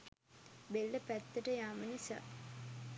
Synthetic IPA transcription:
belːəpæt̪ːəʈəjaːmənisa̰

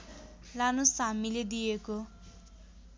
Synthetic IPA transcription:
lanusamiled̪ijeko

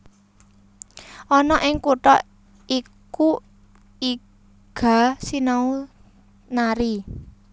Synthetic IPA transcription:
ʔɔnɔʔɪŋkuʈɔ | iku | i | ɡ̥a̤sinau | naɾi

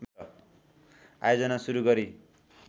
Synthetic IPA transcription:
mʌ | a̰jod͡zʌnasuɾuɡʌɾi

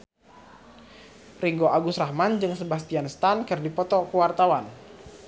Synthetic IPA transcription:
riŋɡoʔaɡusrahmand͡ʒɨŋsəbas̬t̪ianst̪ankɨrdipɔt̪ɔkəwart̪awan

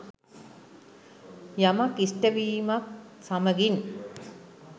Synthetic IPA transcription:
jamakisʈəʋiːmak̚saməɡin

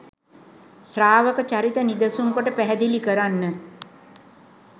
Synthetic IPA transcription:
sraːʋəkət͡ʃaɾit̪ənid̪əsuŋkoʈəpæɦɛd̪ilikəɾanːə

